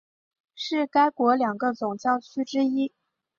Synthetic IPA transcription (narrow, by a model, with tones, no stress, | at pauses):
ʂɻ̩˥˩ka˥ɪkwɔ˧˥ljɑ˨˩ŋɡə˦t͡sʊ˨˩ŋt͡ɕjɑ˥˩ʊt͡ɕʰy˥ʈ͡ʂɻ̩˥i˥